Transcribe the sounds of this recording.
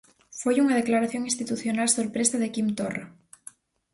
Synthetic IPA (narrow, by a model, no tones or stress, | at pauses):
fojuŋað̞eklaɾaθjoŋinst̪it̪uθjonalsoɾpɾesaðekimt̪ora̰